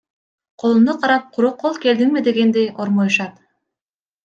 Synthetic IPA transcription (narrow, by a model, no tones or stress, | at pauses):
qʰo̞lˠund̪uqʰɑɾɑp̚qʰʊɾuqʰːolˠke̞ld̪iŋmid̪e̞ɡe̞nd̪ejo̞ɾmojuʃɑt̪